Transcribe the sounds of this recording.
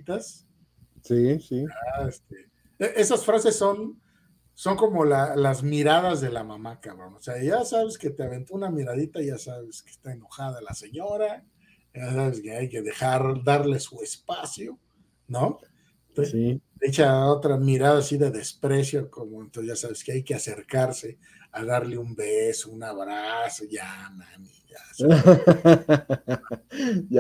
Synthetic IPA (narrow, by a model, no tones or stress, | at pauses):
t̪as | sisiaest̪e | eʔe̞sasfɾase̞sːo̞n | so̞ŋko̞mo̞lalazmiɾað̞azðe̞lamamakaβɾonoseaʝasaβe̞ske̞t̪eaβe̞nt̪uunamiɾaðit̪aʝasaβe̞ske̥st̪aeno̞xaðalase̞ɲo̞ɾa | ʝasaβe̞ske̞ajke̞ðe̞xaɾd̪aɾle̞sue̞spasjo̞ | no | t̪esiet͡ʃao̞t̪ɾamiɾaðaːsiðe̞ðe̞spɾe̞s̬jo̞komoent̪oʝasaβe̞skeajke̞ase̞ɾkaɾse̞ | aðaɾle̞umbesounaβɾaso̞ʝamãmiʝa̰sa | a